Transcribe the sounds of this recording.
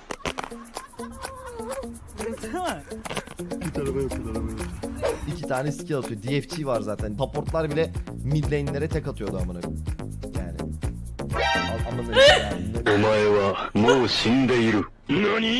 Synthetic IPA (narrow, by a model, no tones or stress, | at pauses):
bit̪ʰaɾafajokbit̪ʰaɾabajokicʰit̪ʰaːnɛsi̥cʰiat̪ʰɯjod̪iɛft͡ʃʰivaɾzaːt̪ʰænapʰoɾt̪lˠaɾbilʲɛmid̪lʲejinlʲe̞ɾɛt̪ʰɛkat̪ʰɯjo̞d̪aamana | ja̰ːnɪ̰ | aanːˠamaneomajavamosind̪ɛjiɾu | noni